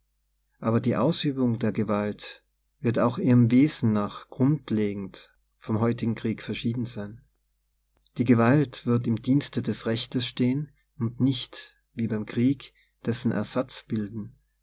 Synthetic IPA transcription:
ʔaːbɐdiːʔaʊsyːbʊŋdeːɐɡəvalt | v̥ɪɐtaʊxʔiːʁəmveːzn̩naːχɡ̥ʁʊntʰleːɡŋ̩t | fɔmɦɔʏtɪɡŋ̩kʁ̥iːkfɛɐʃiːdn̩zaɪn | d̥iːɡəvaltv̥ɪɐtɪmdiːnstədɛsʁɛçtəsʃteːən | ʊntnɪçt | v̥iːbaɪmkʁ̥iːk | d̥ɛsn̩ʔɛ̰ɐz̥at͡sb̥ɪldn̩

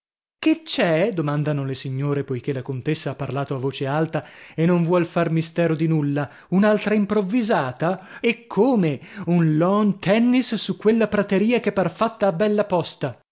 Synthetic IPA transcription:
ket͡ʃːɛd̪omand̪anolesiɲːoːɾepojk̟elakont̪esːaapːarlaːt̪oavːoːt͡ʃealt̪aenːoɱvwɔlfarmist̪ɛːɾod̪inulːa | unalt̪ɾaimpɾovːizaːt̪aekʰːoːmeunlɔnt̪ʰɛnːisːukːwelːapɾat̪eɾiːakepːarfat̪ːaːbːɛlːapɔst̪a

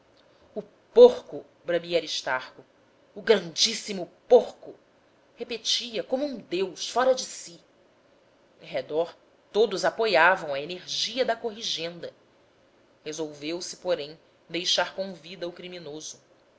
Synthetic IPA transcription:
ʊ | poχkʊ | bɾɐmiaɾiʃt̪aɾkʊ | ʊɡɾɐ̃nd͡ʒisimʊpoɾkʊ | hepet͡ʃiɐkõmʊũd̪ewʃfɔɾɐd͡ʒɪsi | ḛ̃ɦed̪ɔɾ | t̪od̪ʊzapojavɐ̃w̃ɐeneɾʒiɐd̪ɐkoɦiʒẽnd̪ɐ | hezowvewsɪ̥poɾẽj̃ | d̪ejʃaɾkõvid̪ɐʊkɾiminozʊ

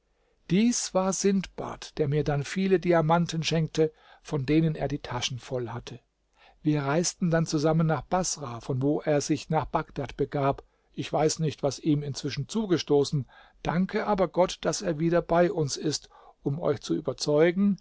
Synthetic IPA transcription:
d̥iːsv̥aːɐzɪntb̥a̰ːtd̥eːɐmiːɐdanfiːlədiamantn̩ʃɛŋk̚tə | fɔndeːnənḛːɐdiːtʰaʃn̩fɔlhatʰə | viːɐʁaɪstn̩dant͡suzamənːaːχb̥asʁafɔnvoːʔeːɐzɪçnaːχb̥aɡd̥atb̥əɡaːp | ʔɪçv̥aɪsnɪçtv̥asʔiːmɪnt͡sv̥ɪʃn̩t͡suːɡəʃtoːsn̩ | d̥aŋkʰəʔaːbɐɡɔtd̥aseːɐviːdɐbaɪʔʊnsɪst | ʔʊmɔ̰ʏçt͡suʔy̰ːbɐt͡sɔʏɡŋ̩

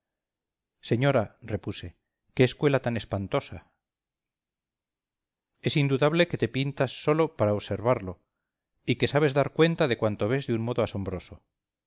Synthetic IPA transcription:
se̞ɲo̞ɾare̞puse̞ | keːskwe̞lat̪ane̞spant̪o̞sa | e̞sind̪uðaβ̞le̞ke̞t̪e̞pint̪asːo̞lopaɾaoβse̞ɾβaɾlo̞ | ike̞saβ̞e̞zðaɾkwe̞nt̪aðe̞kwant̪oβ̞e̞zðeunmo̞ðoaso̞mbɾo̞so

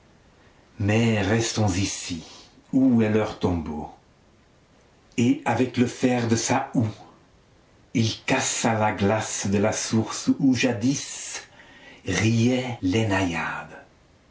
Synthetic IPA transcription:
mɛʁɛst̪ɔ̃zisi | uɛlœʁt̪ɔ̃bo | eavɛkləfɛʁd̪əsau | ilkasalaɡlasd̪əlasuʁsuʒad̪is | ʁiɛlɛnajad̪

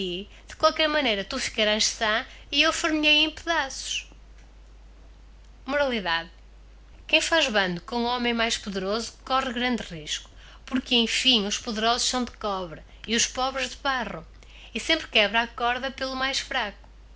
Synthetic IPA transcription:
i | ð̥ɨkwalˠkɛɾmɐnejɾɐt̪ufi̥kɐɾaʃsɐ̃ | iewfɨɾmʎejẽpɨðasu̥ʃ | muɾɐlˠiðað | kẽj̃faʒβɐ̃nd̪ukõuɔmẽj̃majʃpuðɨɾozukɔʁɨɣɾɐ̃nd̪ʁiʃku̥ | puɾkẽj̃fĩuʃpuðɨɾɔzuʃsɐ̃w̃d̪ɨkɔβɾɐ | iuʃpɔβɾɨʒðɨβaʁɐ̃w̃ | isẽmpɾkɛβɾakɔɾðɐpelˠumajʃfɾaku̥

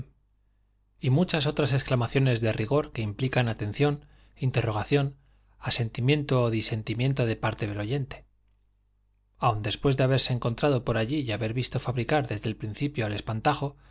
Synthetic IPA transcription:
imut͡ʃas̬o̞t̪ɾase̞sklamaθjo̞ne̞zðe̞riɣ̞o̞ɾke̞implikanat̪e̞n̟θjo̞n | int̪e̞ro̞ɣ̞aθjo̞n | ase̞nt̪imjẽ̞nt̪o̞ːðise̞nt̪imjẽ̞nt̪o̞ð̞e̞paɾt̪e̞ðe̞lo̞ʝe̞nt̪e̞̥ | awnd̪e̞spwe̞zðeaβe̞ɾseːŋko̞nt̪ɾað̞o̞po̞ɾaʎijaβe̞ɾβist̪o̞faβɾikaɾðe̞zðe̞lpɾin̟θipjoale̞spant̪axo̞

